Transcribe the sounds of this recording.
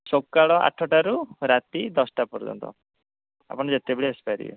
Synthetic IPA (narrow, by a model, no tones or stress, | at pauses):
sokːaɭɔʔa̰ʈʰːɔʈaɾuɾat̪id̪ɔsʈapɔɾd͡ʒɔ̰nt̪ɔ̰ | a̰pɔɽ̃d͡ʒet̪ebeɭiespajɾḭjḛ